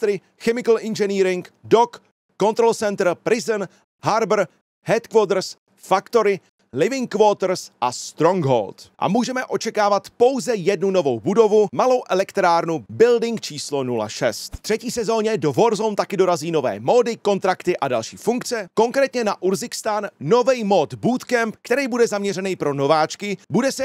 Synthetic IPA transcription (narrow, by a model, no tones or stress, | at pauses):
t̪ɾɪ | xɛmɪkl̩ʔɪnʒɛniːɾɪŋkdo̞kː | o̞nt̪ɾo̞lt͡sɛnt̪ɾ̩pɾɪzən | ɦaɾbr̩ | hɛt̪kvoːt̪̬ɾ̩s | fakt̪o̞ɾɪ | lɪvɪŋkvoːt̪ɾsʔast̪ɾo̞ŋɡɦo̰lt̪ʔa̰muːʒɛmɛʔo̞t͡ʃɛkaːvat̪po̞wzɛjɛdnuno̞vo̞wbudo̞vumalo̞wʔɛlɛkt̪ɾaːɾnubɪldɪŋkt͡ʃiːslo̞nula̰ʃɛst̪t̪r̝̥ɛciːsɛzo̞ːɲɛdo̞voɾzont̪akɪdo̞ɾaziːno̞vɛ̰ːmo̞ːdɪko̞nt̪ɾakt̪ɪʔadalʃiːfuŋkt͡sɛko̞ŋkɾɛːt̪ɲɛnaʔuɾzɪkst̪aːnːo̞vɛjmo̞ːt̪buːt̪kɛmpkt̪ɛɾɛjbudɛzamɲɛrɛnɛjpɾo̞no̞vaːt͡ʃkɪbudɛsɛ